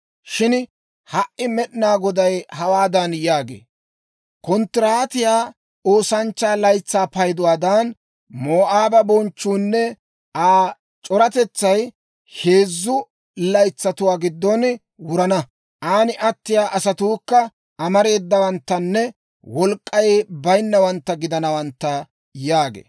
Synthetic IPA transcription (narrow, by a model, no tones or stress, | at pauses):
ʃɪn | hɐʔːɪmɛɗɪnaːɡɔd̪ɐjhɐwaːd̪ɐnjaːɡḛː | kɔnt̪ːɪɾaːt̪ɪjaː | o̞ːsɐnt͡ʃːaːlɐjt͡sːaːpɐjd̪ʊwaːd̪ɐn | moːʔaːbɐbɔnt͡ʃːuːnːɛ | ʔaː | t͡ʃʼɔɾɐt̪ɛt͡sːɐj | he̞ːzːʊ | lɐjt͡sːɐt̪ʊwaːɡɪd̪ːɔn | wʊɾɐnɐ | ʔaːnɪʔɐt̪ːɪjaːʔɐsɐt̪uːkːɐ | ɐmɐɾe̞ːd̪ːɐwɐnt̪ːɐnːɛ | wɔlkʼːɐjbɐjnːɐwɐnt̪ːɐɡɪd̪ɐnɐwɐnt̪ːɐ | jaːɡḛː